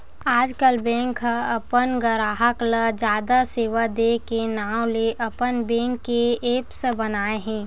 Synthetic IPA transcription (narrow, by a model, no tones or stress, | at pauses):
aːd͡ʒkəlbɛ̃ːŋkːaɐpənɡəɾaːɦəkləd͡ʒjaːd̪aseːʋad̪ekenaːwleʔɐpənbɛ̃ːŋkːeeːpsəbɐnaːeɦɛ̃ː